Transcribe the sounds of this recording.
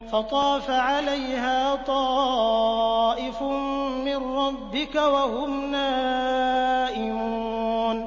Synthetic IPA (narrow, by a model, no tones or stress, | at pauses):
fɑt̪ˤɑːfaʕalajhaːt̪ˤɑː | ʔɪfʊmmɪnɾɑbːɪkawahʊmnaː | ʔɪmuːn